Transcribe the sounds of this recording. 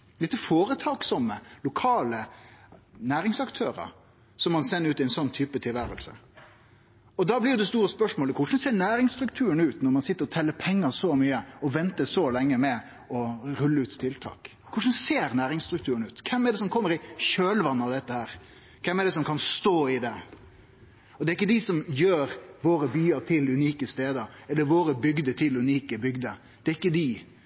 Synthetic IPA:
ɪt̪ːəfoːɾət̪ʰɑːksɔmːəlʊkʰɑːlə | næːɾɪŋsɑkt̪ʰøːɾə̰ɾ | sɔmːɑnsɛnːɾʉːt̪ɪɛnsɔnːt̪ʰyːpət̪ʰɪlʋæːɾə̰lsə | ɔd̪ɑblɪːd̪ɛst̪uːɾəspœʂmoːləkʰʊʂn̩seːɾnæːɾɪŋst̪ɾʉkt̪ʰʉːənʉːt̪nɔɾmɑnsɪt̪ːəɾɔt̪ʰɛlːəpʰɛŋːəsɔmyːəɔʋɛnt̪əsɔlɛŋːəmɛ | ɔɾʉlːəʉːt̪t̪ʰɪlt̪ʰɑ̰ːk | kʰʊʂn̩seːɾnæːɾɪŋst̪ɾʉkt̪ʰʉːɾənʉːt̪kʰɛmɛɖ̪ɛs̬ɔmkʰɔmːəɾɪʃøːlʋɑnːəɑʋd̪ɛt̪ːəhæːɾ | kʰɛmɛd̪ɛsɔmkʰɑnst̪oːɪd̪ɛ | ɔd̪ɛːɾɪkːəd̪ɪsɔmjøːɾʋoːɾəbyːəɾt̪ʰɪlʉniːkəst̪eːd̪əɾɛlːəɾʋoːɾəbʏɡd̪ət̪ʰɪlʉniːkəbʏɡd̪ə | d̪̥ɛɾɪkːəd̪ɪ

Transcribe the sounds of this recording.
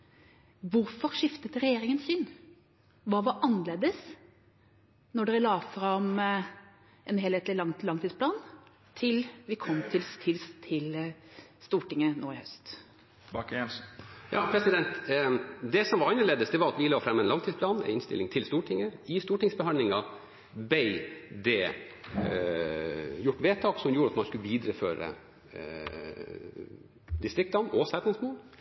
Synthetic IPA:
ʋʊɾfɔɾʂɪft̪ət̪ɾɛjeːɾɪŋənsɪn | ʋɑːʋɑʔɑnːəleːd̪əs | nɔɖɛɾlɑːfɾɑm | ʔɛnɦeːlheːt̪lɪlɑŋlɑŋt̪ʰiːd̪splɑːn | t̪ʰɪlʋɪkʰɔmːt̪ʰɪlst̪ʰɪlst̪ʰɪl | st̪uːʈɪŋːəno̰ːɪhœst̪ | bɑkɛnsjʔɑ̰ːpʰɾɛsɪd̪ɛnt̪ | d̪ɛsɔmʋɑɾɑnːəɭeːd̪əsd̪ɛʋɑɾɑt̪ʋɪlɑːfɾɛmːəɛnlɑŋt̪ʰiːspʰlɑːnɛ̰ɪnst̪ɪ̰lɪŋt̪ʰɪlst̪uːʈʰɪŋːəɪst̪uːʈɪŋsbəɦɑnd̪lɪŋɑ | bɛɪd̪ɛ | jʊʈːʋeːt̪ʰɑːksɔmjuːɾɑt̪mɑnskʉlʋiːd̪ɾəfø̰ːɾə̰ | d̪ɪst̪ɾɪk̚t̪ɑnɔsæt̪nɪŋsmoːl

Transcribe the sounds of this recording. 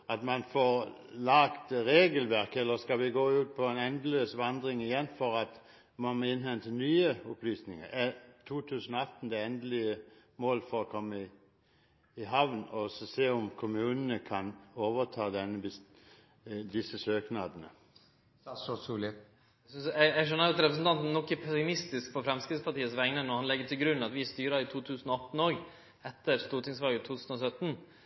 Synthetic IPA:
ɑt̪mɑnfɔʁ | lɑkt̪ʁeːɡəlʋæʁkəɛlːəskɑʋɪɡoːʉːt̪̚pʰɔɛnɛnd̪əløːsʋɑnd̪ʁɪŋɪjɛnfɔʁɑt̪ | mɔməɪnhɛnt̪ʰənyːəɔplyːsnɪŋə̰æt̪ʰuːt̪ʰʉːsənɔɑt̪n̩d̪ɛɛnd̪lɪə | moːlfɔʁɔkʰɔmːəɪ | ɪɦɑʋnɔsseːɔmkʰʊmʉːnənəkʰɑnoːʋət̪ʰɑːd̪ɛnːəbɪs | d̪ɪsəsøːknɑːd̪ənə | ɔsulɪ | ssɛæʂɛnːɑɾɑt̪ɾɛpɾəs̬ən̩t̪ɑnt̪nnɔkːæpʰɛsɪmɪst̪ɪskpʰɔfɾɛmskɾɪt̪spʰɑʈiːəsʋɛŋnənɔhɑnlɛɡːət̪ʰɪlɡɾʉnːɑt̪ʋɪst̪yːɾɑɾɪt̪ʰuːt̪ʰʉːsnɔɑt̪n̩oːɡ | ɛt̪ːəɾst̪uːʈʰɪŋsʋɑːɡət̪ʰuːt̪ʰʉːsən̩ɔsœt̪ːn̩

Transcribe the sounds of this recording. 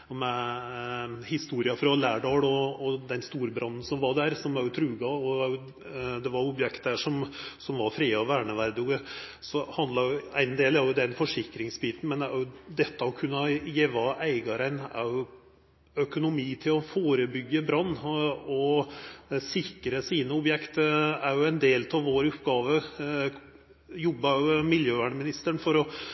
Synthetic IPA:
mɛ | hɪst̪uːɾɪɑfɾɑlæːɖɑːɽɔɔd̪ɛnst̪uːɾbɾʔɑnːn̩sɔmʋɑɖæɾsɔmæɾjʊt̪ʰɾʉːɡɑɔɑɾjʊ | d̪ɛʋɑɾʊbjɛkt̪d̪æʂɔmsɔmʋɑɾfɾiːɔʋæːɳəʋæɾd̪ʉɡə | sɔhɑnd̪lɑɾjʊæɪnd̪eːlæɾjʊd̪ɛnfɔʂɪkːɾɪŋsbiːt̪n̩mɛnæɾjʊd̪ɛt̪ːəɔkʰʉnːɑjeːʋɑʔæɪɡɑɾənæ̰ɾjʊ | œkʊnʊmiːt̪ʰɪlɔfoːɾəbʏɡːəbɾɑnːɔ | sɪkɾəsiːnəʊbjɛkt̪æɾjʊɛnd̪eːlt̪ʰɑʋʋːoːɾʊpɡɑːʋə | jɔbːɑjʊmɪljøːʋæːɳəmɪnɪst̪əɳfɔɾɔ

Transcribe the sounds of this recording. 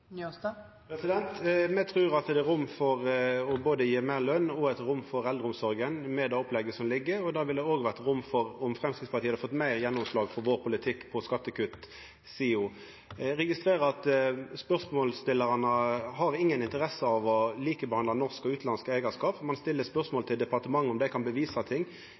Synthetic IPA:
pʰɾɛsɪd̪ɛnt̪mɛt̪ʰɾʉːɾɑt̪d̪ɛæɾʊmːfɔʁɔboːd̪əjiːmæɪʁlœnːɔɛt̪ɾʊmːfɔɾɛld̪ʁəʊmsɔɾɡənmɛd̪ɛːɔplɛɡːəsɔmlɪɡːəɔd̪ɑʋɪld̪ɛoːɡʋæʁt̪ɾʊmːfɔɾɔmfɾɛmskɾɪt̪spɑt̪ʰiːhɑd̪əfɔt̪ːmæɪʁjɛnːʊmslɑːɡfɔɾʋoːɾpʰʊlɪt̪ʰɪkːpʰɔskɑt̪ːəkʰʉt̪ | siːuː | ɾɛɡɪst̪ɾeːɾəɑt̪spœʁsmoːlst̪ɪlːəʁɑnəhɑɾɪŋːənɪnt̪əɾɛsəɑʋɔliːkəbɛhɑnd̪lɑnɔʁskɔʉːt̪lɑnskəæɪɡəskɑːpmɑnst̪ɪlːəspœʁsmoːlt̪ʰɪld̪ɛpɑʁt̪əmɑŋːɔmd̪ɛkʰɑnbəʋiːsɑt̪ʰɪŋː

